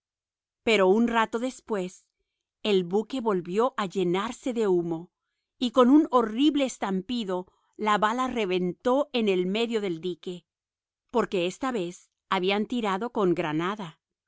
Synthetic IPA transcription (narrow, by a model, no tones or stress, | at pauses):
pe̞ɾo̞unrat̪o̞ðe̞spwe̞s | e̞lβuke̞βo̞lβjo̞ʔaʝe̞naɾse̞ðe̞umo̞ | iko̞nuno̞riβleːst̪ampiðo̞ | laβalare̞βe̞nt̪o̞ʔe̞ne̞lme̞ðjo̞ðe̞ld̪ike̞ | po̞ɾke̞est̪aβe̞s | aβiant̪iɾaðo̞ko̞ŋɡɾanaða